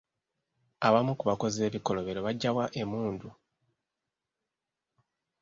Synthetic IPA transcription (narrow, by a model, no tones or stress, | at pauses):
aβamukuβako̞ze̞ːβiko̞lo̞βe̞ɾo̞βaɟːawaʔe̞muːndu